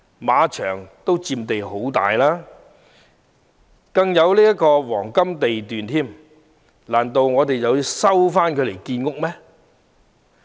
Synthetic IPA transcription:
maː˨˧t͡ʃʰœː˨˩ŋt̪o˥wt͡siː˧mt̪e˨jɦo˨˥wt̪a̰ː˨jlaː˥ | kɐ˧ŋjɐ˨˧wliː˥jɐ˥kɔː˧wɔ̰ː˨˩ŋkɐ˥mt̪e˨jt̪yː˨nt̪ʰiː˥m | laː˨˩nt̪o˨wŋɔː˨˧t̪e˨jɐ˨˧wjsɐ˥wfaː˥nkʰɵ˨˧˥le˨˩jkiː˧nŋʊ˥k̚mɛ˥

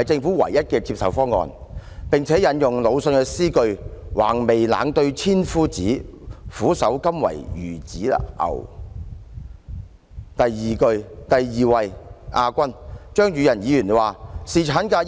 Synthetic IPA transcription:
jt͡sɪ˧ŋfuː˨˥wɐ̰˨˩jːɐ˥t̚kɛː˧t͡si˧psɐ˨wfɔː˥ŋɔ̰ː˨˧npɪ˨ŋt͡sʰɛː˨˥jɐ˨˥njʊ˨ŋlo˨˧wsɵ˧nkɛ˧siː˥kɵ˧ɥwa̰ː˨˩ŋme˨jla̰ː˨˥ŋt̪ɵ˧ɥt͡sʰiː˥nfuː˥t͡siː˨˥fuː˨˥sɐ˨˥wkɐ˥mwɐ̰˨˩jjyː˨˩t͡siː˨˥a̰˨ʔɐ̰˨˩w | t̪ɐ˨jːiː˨kɵ˧ɥt̪ɐ˨jːiː˨wɐ˨jʔaː˧kʷɐ˥nt͡ʃœː˥ŋjyː˨˧jɐ˨˩njiː˨˧jyː˨˩nwaː˨˩siː˨t͡ʃʰaː˨˥nkaː˧

